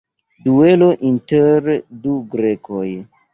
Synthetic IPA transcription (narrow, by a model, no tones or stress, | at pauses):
due̞loʔinteɾduɡɾekʰoj